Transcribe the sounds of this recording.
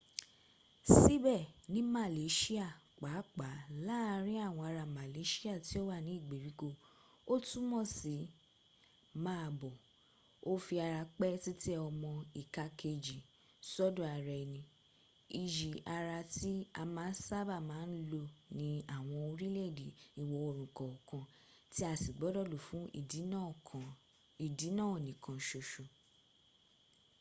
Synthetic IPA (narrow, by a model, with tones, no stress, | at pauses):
si˦bɛ˦˨nĩ˨˦ma˦˨le˨˦ʃi˦a˦˨k͡pa˨˦k͡pa˨˦la˦˨˧ɾ̃ĩ˦a˦˨w̃ɔ̃˧a˧ɾa˧ma˨le˨˦ʃi˦a˦˨ti˨˦o˦wa˦˨nĩ˨˦i˦˨ɡ͡be˨ɾi˨˦ko˧ | o˦tũ˦mɔ̃˦˨si˨˦ | mãː˦a˧˨bɔ˨ | o˦fi˧a˧ɾa˧k͡pɛ˦ti˦ti˦ɛ˦ɔ˧mɔ̃˧i˨ka˧kʰe˧d͡ʒi˨ | sɔ˦dɔ̃˨a˨ɾɛ˧˨nĩ˧ | i˨d͡ʒi˨a˧ɾa˧ti˦a˧mãː˨˦n˦sa˦ba˦˨mãː˨˦n̩˦lo˧nĩ˨˦a˦˨w̃ɔ̃˧o˧ɾi˦lɛ˦˨di˨i˨wɔ˧o˧ɾũ˨kɔ˨ɔ˨kã˧ | ti˦a˦˨si˨ɡ͡bɔ˨˦dɔ˦˨lo˨fũ˨˦˨ | i˨di˨˦nãː˦˨o˨nĩ˨kʰã˨ʃo˨ʃo˨